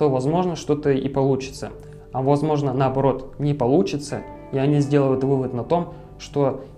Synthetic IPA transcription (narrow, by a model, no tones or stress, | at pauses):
t̪o̞vɐzmo̞ʐnəʂt̪o̞t̪əipɐlˠut͡ɕɪ̥t̪sə̰ | ɐvɐzmo̞ʐnənəɐbɐɾo̞t̪nʲɪpɐlˠut͡ɕɪt̪sə | iɐnʲizʲdʲe̞lˠəjʊt̪vɨvət̪nɐt̪o̞m | ʂt̪o̞